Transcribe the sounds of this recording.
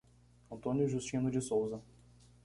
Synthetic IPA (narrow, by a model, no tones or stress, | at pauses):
ɐ̃nt̪õnjʊʒust͡ʃĩnʊd͡ʒɪsowzɐ